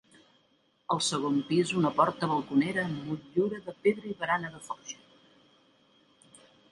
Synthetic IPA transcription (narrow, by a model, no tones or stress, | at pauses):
əlˠsəɣompizunəpɔɾt̪əβəlˠkuneɾəmuʎʎuɾəðəpeðɾəiβəɾanəðəfɔʃə̥